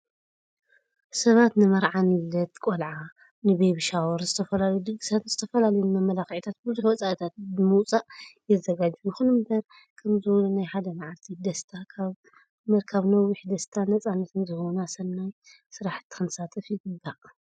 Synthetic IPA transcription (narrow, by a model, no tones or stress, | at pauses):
sɐβat̪nɨmɐɾʕanilːɐt̪kʼolʕa | nɨbejβʃawɔɾzɨt̪ʰɐfɐlalɐjud̪ɨɡɨsat̪z̥ɨt̪ʰɐfɐlalɐjnːamɐlaxʕit̪ʰat̪̚bɨzuħwɔt͡sʼaʔit̪ʰat̪̚bɨmut͡sʼaʔjɛzɐɡad͡ʒjɨxunɨmbɐɾ | kʰɐmzɨwlunajħad̪ɐmaʕalt̪ʰid̪ɐst̪ʰakʰaβ | mɐɾkʰaβnɐwɪħd̪ɐst̪ʰanɐt͡sʼanːɐt̪ɨnzɨhwnasɐnːaj | sɨɾaħt̪ʰːi̥kɨnsat̪ʼɐfjɪɡɨbːaʔ